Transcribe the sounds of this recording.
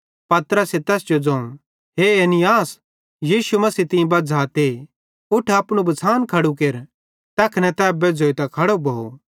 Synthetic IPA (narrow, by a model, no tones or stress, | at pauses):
pɐt̪ɾəset̪ɛːsd͡ʒod͡zɐ̃ːũ | ɦeeːnɪjaːs | jiːʃumɐsiːt̪ɪ̃ĩbɐd͡zʱaːt̪e | ʊʈʰaɐpɽ̃ubɐt͡sʰaːnkʰɐɽuk̬eːɾ | t̪ɛːkʰnɛ̃t̪ɛːbed͡zʱoːit̪ɐkʰɐɽobʱɐo̰